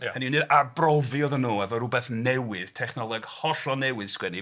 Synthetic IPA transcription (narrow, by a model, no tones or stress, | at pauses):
həninɨdabrɔviɔðənːuːɛvɔɾʊbɛθnɛwɪð̥tʰɛχnɔlˠɛɡhɔɬɔnɛwɨð̥skwɛni